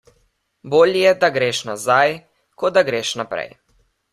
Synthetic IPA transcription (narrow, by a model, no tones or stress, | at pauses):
boːljɛd̪aɡɾeːʃnazaj | kɔd̪aɡɾeːʃnapɾɛ̰j